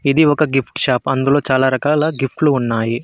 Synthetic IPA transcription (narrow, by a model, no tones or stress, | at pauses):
id̪iɔkɐɡipʈʃaːpɐnd̪ulo̞ːt͡ʃaːlaːɾɐkaːlɐɡifʈluːnːaːji